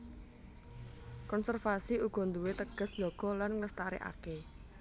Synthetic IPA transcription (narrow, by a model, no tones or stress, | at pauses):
kɔnsɛrfasiuɡ̥ɔ̤nd̪uwet̪əɡ̥ə̤sd̥d͡ʒɔɡ̥ɔ̤lanŋləst̪aɾḛʔa̰ke